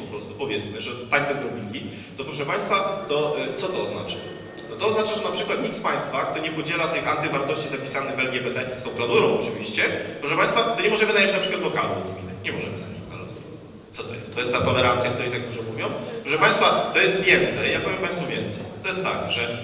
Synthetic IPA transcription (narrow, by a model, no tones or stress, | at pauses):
pɔpɾɔst̪u̥pɔvʲjɛt̪smɘʐɛt̪aɡbɘzɾɔbʲilʲi | t̪ɔpɾɔʂɛpaj̃st̪fat̪ɔt̪sɔt̪ɔːzna̰t͡ʂḁ | nɔt̪ɔːznat͡ʂaʐɛnapʂɘkwat̪ɲʲit̪spaj̃st̪fak̚t̪ɔɲɛpɔd͡ʑɛlat̪ɘxant̪ɘvaɾt̪ɔɕt͡ɕizapʲi̥sanɘɣvɛlɡʲjɛbɛt̪ɛst̪ɔ̃w̃planuɾɔ̃w̃ɔt͡ʂɨvʲiɕt͡ɕɛpɾɔʂ̬ɛpaj̃st̪fat̪ɔɲɛmɔʐɛmɘnajet͡ɕnapʂɘkwat̪lɔkalɛɔ̰d̪ɡmʲḭnɛɲɛmɔʐɛmɨna̰jḛd͡ʑlɔka̰lɛ̰d̪ɡmmin | t̪sɔt̪ɔjɛ̰st̪t̪ːɔjɛst̪ːat̪ɔlɛɾant̪sjak̚t̪uɾɛjt̪ak̚t̪uʐɛmuvʲjɔ̃w̃pɾɔʂɛpaj̃st̪fat̪ɔjɛst̪vʲjɛnt̪sɛjːapɔvjɛmpaj̃st̪fɔvʲjɛnt̪sɛjt̪ɔjɛst̪tːa̰kʐɛ